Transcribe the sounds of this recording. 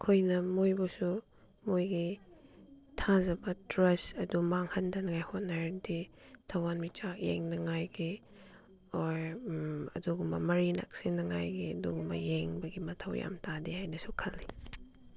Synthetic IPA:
kʰojnɐmojbɔsu | mojɡi | tʰazɐbɐtɾɐsɐdumaŋhɐndɐnɐŋajhot̚naɾditʰawanmit͡ʃakjḛŋnɐŋajɡi | ɔɾ | ɐ̰duɡumbɐ̰mɐɾina̰k̚sinɐŋa̰jɡiɐduɡumbɐ̰jeŋbɐɡimɐtʰɐwja̰mtʰadihajnɐsukʰɐlːi

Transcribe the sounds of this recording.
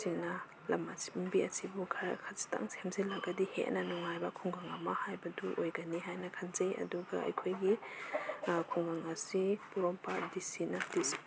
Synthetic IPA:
ina | lamasmbiɐsibukʰaɾkʰasi̥ta̰ŋsʰemselaɡadihḛʔnɐnɔŋajbɐkʰuŋɡaŋamahajbɐduʔojɡaniɦajnakʰanzejʔɐ̰duɡa̰ɐ̰jkʰojɡi | kʰuŋɡaŋasipuɾɔmpadisinadis

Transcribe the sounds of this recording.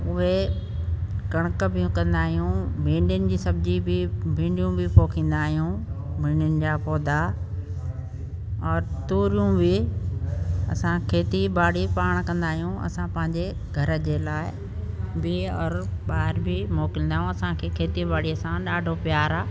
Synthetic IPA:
ʊɦe | kɐɽ̃əkə̆bʱɪjũkɐ̃nd̪aːɦijũmʱĩːɳɖɪnɪ̆d͡ʑiːsɐbɪd͡ʑibɪbʱĩːɳɖijũbɪpoːkʰĩːn̆d̪aːɦijũ | mĩːɳɖʊnɪ̆d͡ʑaːpɔːd̪a | ɔːɾt̪uːɾijũbɪ | ɐ̰sãkʰeːt̪ibaːɽipaːɽ̃kɐ̃nd̪aːɦijũɐ̰sãpɐ̃ɦɪ̃ɲd͡ʑe | ɡʱɐɾəd͡ʑeːlaːɪ | bɪɔːɾɓaːɦɪɾbɪmɔːkɪ̃nd̪aːɦijũɐsãkʰeːkʰeːt̪ibaːɽiəsãɗaːɖʱopɪjaːɾaː

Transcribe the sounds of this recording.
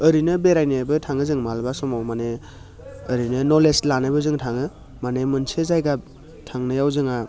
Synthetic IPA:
ɯɾinɯbeɾajnabɯtʰaŋɯzɯŋmalbasɔmawmane | ɯɾinɯnɔleslanajbɯzɯŋtʰaŋɯ | manemɯnsezajɡa | tʰaŋnɯjawzɯŋa

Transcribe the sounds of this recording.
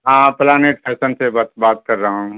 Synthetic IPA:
ɦãːplaːneːʈpʰɛːsənsebat̪baːt̪̚kɐɾːɐɦã

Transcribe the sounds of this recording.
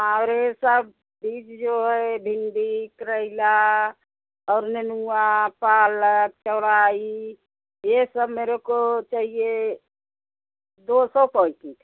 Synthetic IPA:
aɾesəb̚ | bit͡ʃd͡ʒoɦɛbʱind̪ikɾəɪla | ɔːɾnenuapalək̚t͡ʃəɾai | jesəbmeɾekot͡ʃaɦie | d̪osɔpɔikik

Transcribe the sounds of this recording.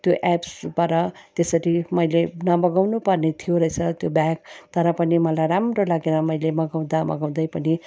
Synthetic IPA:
t̪joʔɛpsbaɾʌt̪esʌɾimʌjlenʌmʌɡawnupʌrnet̪ʰijoɾʌjt͡sʰʌt̪jobaɡ̚t̪ʌɾʌpʌnimʌlajɾamrolaɡeɾʌmʌjlemʌɡaw̃d̪amʌ̰ɡaw̃d̪ʌjpʌni

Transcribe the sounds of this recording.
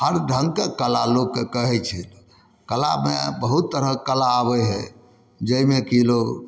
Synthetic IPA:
ɦəɾɖʱə̃ŋɡkekəlalokːekəɦɛt͡ʃʰil | kəla̰mebəɦut̪ːəɾəkəlaːbɛɦɛ | d͡ʒəimekilo

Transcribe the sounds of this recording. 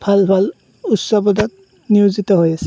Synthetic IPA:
bʰʱalpʰal | utsɔbɔdat̚ | niuzitɔɦojasɛ̥

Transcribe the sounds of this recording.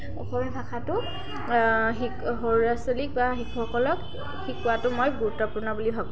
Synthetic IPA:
ɔxɔmibʱakʰatʊ | ɦikɦoɹɹaselik̚baɦikʰxɔkɔlɔk | xikːuwatʊmojɡuɹutːɔpʊnabulibʱabũ

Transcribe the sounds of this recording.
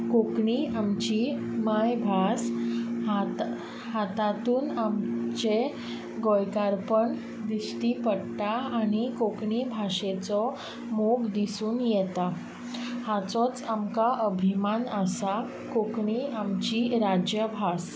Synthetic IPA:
kokɳiamt͡ɕimajbʱasɦat̪ | ɦat̪at̪uːnamt͡ɕe | ɡojkaɾpəɳ | d̪isʈ̪ipəɽt̪aːñikokɳibʱaɕet͡sɔ | moɡd̪isuːnjɛt̪a | hat͡sɔt͡samkaʔəbʱimanəsa | kokɳiamt͡ɕiɾad͡ʑjəbʱas

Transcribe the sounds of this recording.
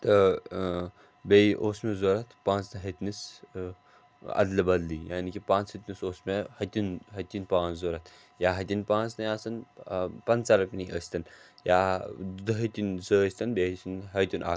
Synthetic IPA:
t̪ɐ | bʲeiʔoːsmʲezoːɾɐt̪ʰpãːnt͡snɐɦɐt̪nis | ɐ̰d̪lɐbɐd̪lijaːnikʲipãːt͡shɐt̪ʲnisoːsmehɐt̪ʲinɦɐt̪ʲinpãːnt͡szoːɾɐt̪ʰ | jaːɦɐt̪ʲinpãːt͡snɐjãːsɐnpɐnt͡sɐɾɐpʲniʔə̰sʲt̪ɐnjaːd̪ɐɦɐt̪ʲinzəːsʲt̪ɐnbesinɦɐt̪ʲunʔa̰ː

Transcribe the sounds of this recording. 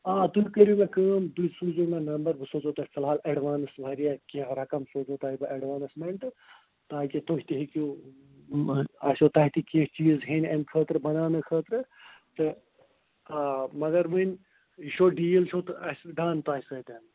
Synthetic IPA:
ãːd̪uikəɾimẽkəːmd̪ujsuːd͡ʒoːmenɐmbɐɾbʱɨsoːt͡ʃoːt̪ɐːfʰɨlɦaːleɖʋaːnɨsbʱɐɾijakĩɾɐkɐmsoːt͡ʃoːt̪aːibɐʔɐɖʋaːnɨsmeɳʈ | t̪aːkit̪oːɦit̪iɦiku | ɐːsʲoːt̪aːɦit̪ikẽt͡ʃiːzɦenɐnkʰəːt̪ɾɨbɐnaːnɨkʰəːt̪ɾɨt̪ɨ | mɐɡɐɾmɨnʲ | iʃoːɖiːjelt͡ʃʰoːt̪ɨɐsɖaːnt̪ɐːɦisɐt̪ɐːn

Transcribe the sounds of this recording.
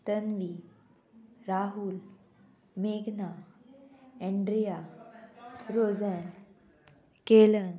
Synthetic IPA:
t̪ənʋi | ɾaɦul | meɡna | ɛ̃ɳɖɾija | ɾod͡zən | kelən

